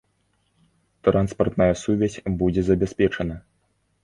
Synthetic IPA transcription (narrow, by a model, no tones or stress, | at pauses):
t̪ɾanspɐrt̪nɐjɐsuvʲasʲbud͡zʲɛzɐbʲɛsʲpʲɛt͡ʂɐnɐ